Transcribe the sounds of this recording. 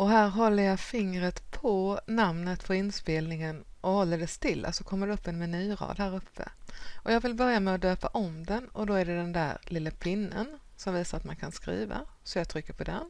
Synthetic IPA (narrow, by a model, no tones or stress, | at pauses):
ʔɔɦæːɾɦɔlːəjɑfɪŋɾət̪pʰɔnamnət̪fʰɔɾɪnspeːlnɪŋənʔɔhɔlːəɖɛst̪ɪlːa̰sɔkʰɔmːəɖɛɵpːɛnmɛnyːɾɑ̰ːd̪hæːɾɵpʰːə̰ʔɔjɑːɡvɪlbœɾjamɛɔd̪øːpaʔɔmd̪ɛnɔd̪ɔæɖɛd̪ɛnd̪æ̰ːɾlɪlːapʰɪnːə̰n | sɔmviːsaɾat̪mankʰanskɾḭːva̰sɔjɑt̪ʰɾʏkːəɾpʰɔd̪ɛ̰n